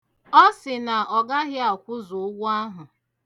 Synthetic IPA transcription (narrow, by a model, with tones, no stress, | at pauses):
ɔ˦sɪ˨na˨ɔ˨ɡa˦ɣɪ˦a˨kʷʊ˦zʊ˨ʊ˦ɡʷʊ˦a˦ɦʊ˨